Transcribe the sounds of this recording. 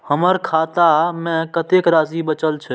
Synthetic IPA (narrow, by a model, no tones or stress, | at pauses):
həməɾkʰaːt̪amɛ̃kət̪eːkɾaːzibət͡ʃəlt͡ʃʰe